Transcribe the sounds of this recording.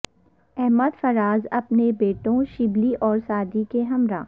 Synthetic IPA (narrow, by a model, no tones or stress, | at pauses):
ɛɦməd̪fɐɾaːzɐpnebeːʈõʃɪbliʔɔːɾsaːd̪ikeɦɐmɾã̰ː